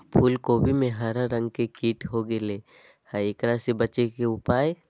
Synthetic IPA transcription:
pʰuːlkoːbʱimẽɦaːɾaɾə̃ŋɡkekiːʈɦoɡeleː | haekɾasebɐt͡ʃekeʊpaːj

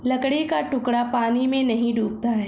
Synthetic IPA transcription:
lɐkɽikaʈʊkɽapaːnimẽnɐɦĩɖuːp̚t̪aɦɛː

